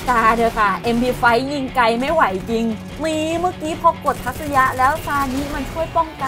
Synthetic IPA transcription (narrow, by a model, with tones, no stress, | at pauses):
kaː˧dɤː˧jkʰa˥˩ʔe˧mpʰiː˧fa˦˥jːi˧ŋka˧jma˥˩jwa˨˩˦jt͡ɕi˧ŋ | miː˧maː˥˩kiː˦˥pʰɔ˧ko˨˩t̪ʰːa˦˥k̚sa˧ja˦˥ʔlɛː˦˥wsaː˧niː˦˥ma˧nt͡ɕʰu˥˩əjpɔ˥˩ŋka˧